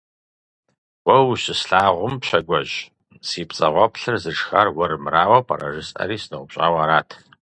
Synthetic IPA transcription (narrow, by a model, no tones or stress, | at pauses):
wɐwɕɪsɬaːʁʷʊmpɕɐɡʷɐʑ | siːpt͡sʼɐ̰ʁʷɔpɬɨrzɨʂxarwɐɾɨmɨraːwɐpʰɐ̰ɾɐ̰ʒɨsʼɐ̰ɾiːsnɨwʷʊpɕʼaːwaːɾaːtʰ